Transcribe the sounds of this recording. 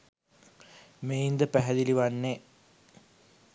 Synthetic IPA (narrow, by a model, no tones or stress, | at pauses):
meind̪əpæɦɛd̪iliʋanːe